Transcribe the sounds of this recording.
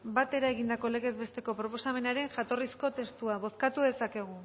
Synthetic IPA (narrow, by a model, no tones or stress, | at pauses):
bat̪e̞ɾaeɣ̞ind̪ako̞le̞ɣe̞zβe̞st̪e̞ko̞pɾo̞po̞same̞naɾe̞ŋʝat̪o̞risko̞t̪e̞st̪uaβ̞o̞skat̪uðe̞sake̞ɣ̞u